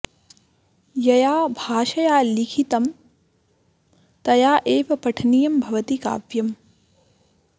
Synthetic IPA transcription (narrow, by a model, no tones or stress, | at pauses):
jɐjaːbʱaːʃɐjaːlikʰit̪ɐm | t̪ɐjaːʔeːʋɐpɐʈʰnijɐmbʱɐʋɐt̪ika̰ːʋjɐm